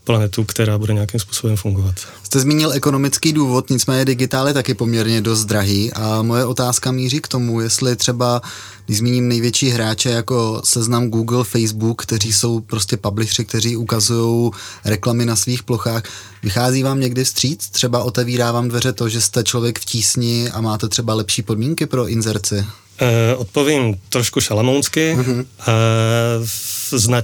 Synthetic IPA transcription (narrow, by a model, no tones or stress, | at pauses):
planɛt̪ukt̪ɛɾaːbudɛɲɛjakimspu̥ːsobɛmfuŋɡovat̪ | st̪ɛzmiːɲɪlʔɛko̞no̞mɪt͡skiːduːvo̞t̪ɲɪt͡smɛːɲɛdɪɡɪt̪aːljɛt̪akɪpo̞mɲɛɾɲɛdo̞s̬t̪d̪ɾaɦiːʔamo̞jɛʔo̞t̪aːskamiːriːkt̪o̞mujɛst̪lɪt̪r̥ɛba | ɡnɪʒzmiːɲiːmnɛjvjɛt͡ʃiːɦɾaːt͡ʃɛjako̞sɛznamɡuːɡl̩fɛjzbukːt̪ɛriːso̞wpɾo̞scɛpablɪʃrɪk̚t̪ɛɾiːʔukazujo̞wɾɛklamɪnasviːxplo̞xaːx | vɪxaːziːvaːmɲɛɡdɪfst̪r̥iːt͡st̪r̝̥ɛbaʔo̞t̪ɛviːɾaːvaːmdvɛɾɛt̪o̞ʒɛst̪ɛt͡ʃlo̞vjɛkfciːsɲɪʔamaːt̪ɛt̪r̥ɛbalɛpʃiːpo̞dmiːŋkɪpɾo̞ʔɪnzɛɾt͡sɪ | ʔot̪̚poviːɲt̪ɾoʃkuʃalamownskɪa | zna